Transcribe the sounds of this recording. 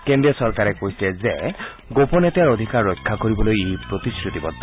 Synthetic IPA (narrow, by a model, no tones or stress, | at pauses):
kend̪ɾiɔsɔɾkaɾekoɦjsleze | ɡopɔnet̪aɾod̪ʱikaɾːɔjkʰːakɔɾibɔlojejpɾot̪iskɾut̪ibɔt̪ːa